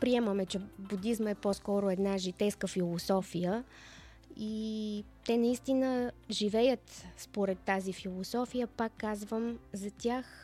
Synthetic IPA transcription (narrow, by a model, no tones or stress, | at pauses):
pɾiɛməmɛt͡ʃɛbud̪izməɛpɔskɔɾʊɛd̪naʒit̪ɛjskəfilˠosɔfijə | i | t̪ɛnɐist̪inəʒivɛjət̪spoɾɛt̪ːazifilˠosɔfijəpakːazvəmzɐt̪ʲax